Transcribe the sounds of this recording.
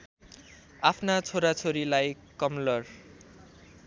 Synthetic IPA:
apʰnat͡sʰoɾat͡sʰoɾilajkʌmlʌr

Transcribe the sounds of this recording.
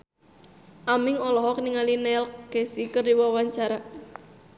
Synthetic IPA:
ʔamɪŋɔlɔɦɔkniŋalinɛlɡ̥esikərdiwawaɲt͡ʃaɾa

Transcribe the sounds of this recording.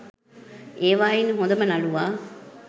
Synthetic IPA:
eːʋaːjinɦõnd̪ɐmɐnɐluʋaː

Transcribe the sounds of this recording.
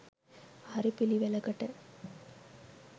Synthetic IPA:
ɐɾipːiliʋɛlɐkɐʈːɐɾ

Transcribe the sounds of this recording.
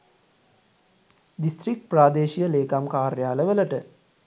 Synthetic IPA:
d̪ist̪ɾik̚ʈpraːd̪eːʃijəleːkamkaːɾjaːləʋələʈə

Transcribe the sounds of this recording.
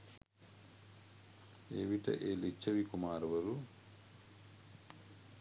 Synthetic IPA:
ḛːʋiʈɐ̰ʔeːlit͡ʃːɐʋikumaːɾɐʋɐɾu

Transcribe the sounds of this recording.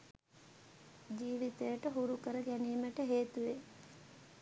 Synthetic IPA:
d͡ʒiːʋit̪əjəʈəɦuɾukəɾəɡæniːməʈəɦeːt̪uʋe

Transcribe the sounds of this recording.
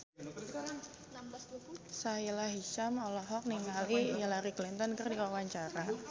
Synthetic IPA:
a | nambasbukusailaɦiʃamɔlɔɦɔk̚niŋalijalaɾiklint̪ɔnkɨrdikaawaɲt͡ʃaɾa

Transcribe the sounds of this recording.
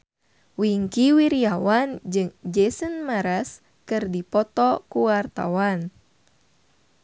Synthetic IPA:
wiŋkiwiɾiawand͡ʒɨŋd͡ʒɛsənmaɾas | kɨrdipɔt̪ɔkuwart̪a̰wan

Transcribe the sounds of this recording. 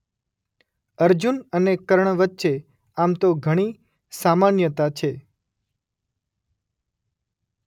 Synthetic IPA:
əɾd͡ʒunənekəɾɳʋətːʃe | amt̪oɡʱəɽ̃i | samanjət̪at͡ʃʰe

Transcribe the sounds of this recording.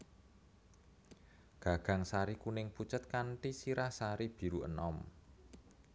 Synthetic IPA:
ɡ̥a̤ɡ̥a̤ŋsaɾikunɪŋput͡ʃət̪̚kaɳʈisiɾahsaɾib̥i̤ɾuʔə̰nɔm

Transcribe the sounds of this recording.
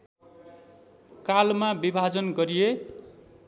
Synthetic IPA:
kalmabibʱad͡zʌnɡʌɾije

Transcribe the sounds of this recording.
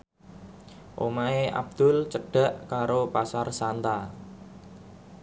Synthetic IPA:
ʔo̰maeʔa̰b̚d̪̥ʊ̤lt͡ʃəɖ̥a̤ʔkaɾopasarsant̪a

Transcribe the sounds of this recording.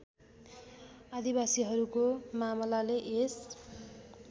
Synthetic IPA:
ad̪ibasiɦʌɾukomamlaleʔes

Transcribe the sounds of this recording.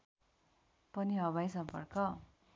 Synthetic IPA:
pʌniɦʌβajsʌmpʌ̰rkʌ

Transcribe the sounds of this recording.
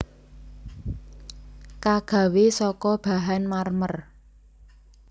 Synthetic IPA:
kaɡ̥a̤wesɔkɔb̥a̤ɦanmarmər

